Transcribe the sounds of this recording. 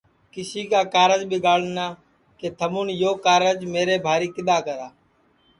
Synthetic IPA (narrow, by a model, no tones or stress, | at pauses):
kɪsiːkaːkaːɾəd͡ʒbɪːɡaːlnaː | keːt̪ʰəmuːnjoːkaːɾəd͡ʒmeːɾeːbʱaːɾiːkɪɗ̪aːkəɾaː